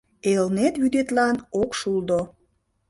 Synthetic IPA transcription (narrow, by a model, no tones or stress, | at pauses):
elnet̪βyd̪et̪lɑnokʃuld̪o